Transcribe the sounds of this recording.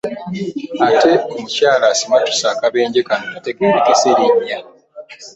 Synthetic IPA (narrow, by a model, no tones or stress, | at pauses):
ate̞omucaːlasimatu̥saːkaβe̞ːɲɟekanonateɡeɾekeseɾiɲːa